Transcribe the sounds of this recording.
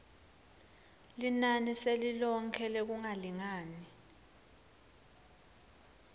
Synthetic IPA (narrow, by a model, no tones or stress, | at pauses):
linaniselilɔŋkʰɛlek̬uŋaliŋaːni